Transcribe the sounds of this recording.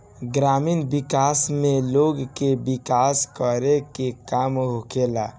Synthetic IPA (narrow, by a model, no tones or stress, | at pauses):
ɡɾaminbikasmeloɡkebikaskəɾekekamɦokela